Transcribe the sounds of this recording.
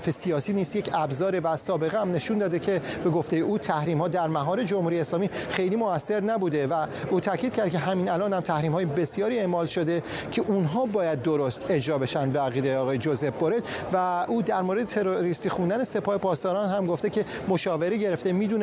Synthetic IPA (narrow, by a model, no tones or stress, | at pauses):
fesijɒːsiːniːsjecʰæbzɒːɾevæsɒːbe̞ɣeæmne̞ʃund̪ɒːd̪ecʰe̞b̥e̞ɡoft̪e̞jeʔuːt̪ʰæhɾiːmhɒːd̪æɾmæɦɒːɾe̞d͡ʒomhuːɾijeːslɒːmiːxe̞jliːmoæsːe̞ɾnæbuːd̪e̞væuːt̪ʰæcʰiːd̪̥̚cʰæɾd̪̚cʰe̞ɦæmiːnælɒːnhæmt̪ʰæhɾiːmhɒːjebe̞sjɒːɾiːe̞mɒːlʃo̞d̪e̞ | cʰe̞ʔunɦɒːbɒːjæd̪̚ːoɾost̪e̞d͡ʒɾɒːbe̞ʃænd̪beæɣiːd̪ejeɒːɣɒːjed͡ʒoze̞bboɾed̪ | væuːd̪æɾmoɾe̞d̪et̪ʰeɾoɾist̪iːxund̪æne̞se̞pʰɒːhe̞pʰɒːst̪ɒːɾɒnɦæmɡoft̪e̞cʰe̞ | moʃɒːve̞ɾeɟe̞ɾeft̪emiːd̪uːn